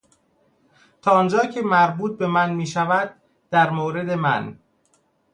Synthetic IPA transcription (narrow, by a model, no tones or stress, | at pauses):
t̪ʰɒːnd͡ʒɒːcʰe̞mæɾbuːt̪̚be̞mænmiːʃævæd̪̥̚ː | æɾmoːɾe̞d̪e̞mæ̰n